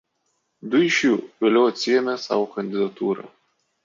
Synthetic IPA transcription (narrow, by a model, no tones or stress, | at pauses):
d̪ʊɪʃʲjuːʋʲelʲɛʊɐt̪ʲsʲɪjɛmʲesɑ̰ːʋokɐnʲd̪ʲɪd̪ɐt̪uːɾɐ̰ː